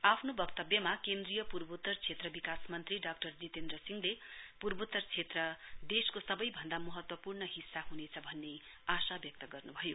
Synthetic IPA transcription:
apʰnobʌkt̪ʌbjʌmakend̪rijʌpurbut̪ːʌrt͡sʰet̪rʌbikasmʌnt̪riɖak̚ʈʌrd͡zit̪end̪rʌsiŋlepurbut̪ːʌrt͡sʰet̪rʌd̪eskosʌbʌjbʱʌnd̪amʌɦʌt̪wʌpurnʌɦisːaɦunet͡sʰʌbʱʌnːe | asabjʌk̚t̪ʌɡʌrnubʱʌjo

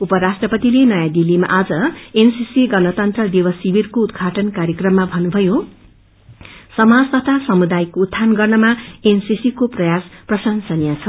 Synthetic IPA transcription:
upʌɾasʈrʌpʌt̪ilenʌjad̪ilːima̰ʔad͡zʌensisiɡʌnʌt̪ʌnt̪rʌd̪ewʌsibirkoud̪ɡʱaʈʌnkaɾjʌkrʌmːabʱʌnubʱʌjo | sʌmad͡zt̪ʌt̪ʰasʌmud̪ajkoːt̪ʰːanɡʌrnʌmaensisikoprʌjasprʌsʌnsʌnijat͡sʰʌ

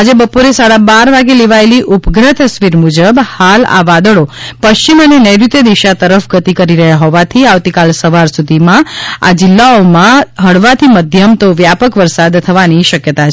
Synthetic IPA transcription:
ad͡ʒebəpoɾesaɽabaɾʋaɡeleʋaeliʔupɡɾət̪əsʋiɾmud͡ʒəbhala̰ʋad̪əɭopəʃt͡ʃimənenəjɾit̪jəd̪iʃat̪əɾəfɡət̪ikəɾiɾəɦjaɦɔʋat̪ʰiaʋt̪ikalsəʋaɾsud̪ʱimãa̰d͡ʒɪlːaomãɦəɽʋat̪ʰiməd̪ʱjəmt̪oʋjapəkʋəɾsad̪t̪ʰːəʋaniʃəkjət̪at͡ʃʰ

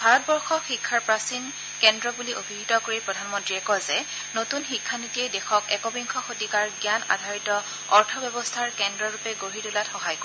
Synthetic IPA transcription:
bʱaɹɔt̚bɔɹxɔxikʰːaɹpɹasin | kɛndɹɔbuliʔobʱiɡitɔkoɹipɹɔdʱanmɔntɹiɛkɔzɛ | notunxikʰːanitiejdɛxɔkɛkɔbiŋkʰɔxotikaɹɡjana̰dʱaɹitɔ | ɔɹtʰɔbjɔbɔstʰaɹkɛndɹɔɹupɛɡoɹitulatxɔɦajk

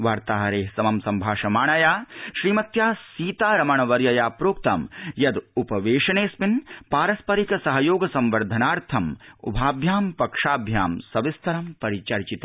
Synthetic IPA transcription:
ʋaːɾt̪aːɦɐɾeːɦsɐmɐmsɐmbʱaːʃɐmaːɳɐjaːʃɾiːmɐt̪jaːsiːt̪aːɾɐmɐɳɐʋɐɾjɐjaːpɾoːk̚t̪ɐ̰mjɐd̪upɐʋeːʃɐneːspinpaːɾɐspɐɾikɐsɐɦɐjoːɡɐsɐmʋɐɾd̪ʱɐnaːɾt̪ʰɐmṵbʱaːbʱjaːmpɐkʂaːbʱja̰ːmsɐʋist̪ʰɐɾɐmpɐɾit͡ʃɐɾt͡ʃit̪ɐ

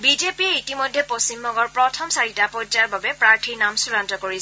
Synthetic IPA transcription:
bizepiɛitimɔjdʱːɛpost͡ʃimbɔŋɡɔɹpɹɔtʰɔmsaɹitapɔd͡ʒaɹbabɛpɹaɹtʰiɹnamsulantɔkoɹisɛ

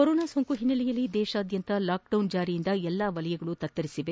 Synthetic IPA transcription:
koɾoːnaːsoŋkuɦinːɐlijɐlːid̪ɛːʃɐːd̪jɐnt̪ɐlaːk̚ɖɐwnd͡ʒaːɾijind̪ɐɛlːaːʋɐlɐjɐɡɐɭut̪ɐt̪ːɐɾisiʋe̞

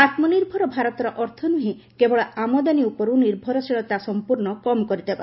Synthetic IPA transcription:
at̪mɔniɾbʱɔɾɔbʱaɾɔt̪ɔɾɔʔɔɾt̪ʰɔnuɦĩ | kebɔɭaamɔd̪aniupɔɾuniɾbʱɔɾɔsiɭɔt̪asɔmpuɾnɔkɔmkɔɾit̪eba̰

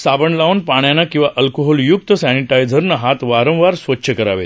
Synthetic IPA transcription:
sabəɳlaunpaɳ̃janːakĩw̃ʋaʔəlkoɦɔljuk̚t̪əsɛniʈajd͡zʱəɾnəɦat̪ʋaɾə̃w̃ʋaɾsʋətːɕʰəkəɾa̰ʋḛ

